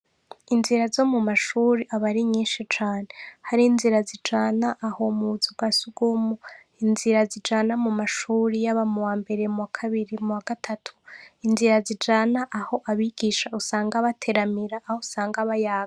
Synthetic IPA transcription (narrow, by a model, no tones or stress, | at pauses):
inziɾazo̞mumaʃuːɾiʔaβaɾiɲiːnʃit͡ʃaːne̞haɾinziɾazid͡ʒaːnaʔːho̞muzub̚ɡasuɡ̥umu | inziɾazid͡ʒaːnamumaʃuːɾijaβamuwaːmbe̞ɾe̞muwakʰaβiɾimuwaɡ̥atʰatʰu̥inziɾazid͡ʒaːnaʔaho̞ʔaβiɡ̥iʃausaːŋɡaβatʰe̞ɾamiɾaʔːhousaːŋɡaβajaːɡa